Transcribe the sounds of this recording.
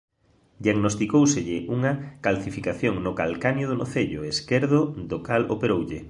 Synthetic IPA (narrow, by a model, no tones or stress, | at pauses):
d̪jiaɡnost̪ikowseʎɪʔuŋɐkalθifikaθjoŋnʊkalkanjoðonoθeʎʊeskeɾðod̪okalo̰peɾowʎɪ